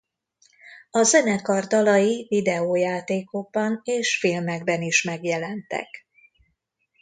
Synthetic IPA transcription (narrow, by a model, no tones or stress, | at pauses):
ɒzɛnɛkɒrt̪ɒlɒjivid̪ɛoːjaːt̪eːkoɡ̚bɒneːʃfilmɛɡ̚bɛniʃmɛɡjɛlɛnt̪ɛ̰k